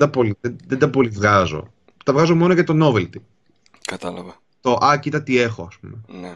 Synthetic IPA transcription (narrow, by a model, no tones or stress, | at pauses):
d̪ɐpo̞liðeðend̪ɐpo̞livɣɐzo̞̰ | t̪ɐvɣɐzo̞mo̞noʝɐt̪o̞no̞velt̪ip | kɐt̪ɐlɐvɐ | t̪o̞ʔɐcit̪ɐt̪ie̞xo̞ɐspumene